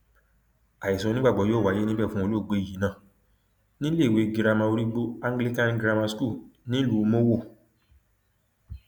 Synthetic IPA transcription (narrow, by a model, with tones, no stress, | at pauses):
a˨ji˨sɔ̃˨˧˦nĩ˦ɡ͡ba˦˨ɡ͡bɔ˨˦joː˦˨wa˨˦je˦nĩ˦bɛ˦˨fũ˦o˧lo˦˨ɡ͡be˧˦i˨i˨˦nã˦˨ | nĩ˦le˦˨we˨ɡi˧ɾa˧mã˧o˧ɾi˦ɡ͡bo˦a˦ŋɡli˦kã˦n˦ɡɾa˧mã˧sku˦˨nĩ˦lu˨˦˧mo˦wo˦˨